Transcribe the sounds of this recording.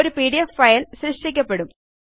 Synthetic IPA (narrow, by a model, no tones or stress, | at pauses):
ɾupiːɽijefːɐjɐlɕɾɨʂʈikʲːɐpːe̞ɽum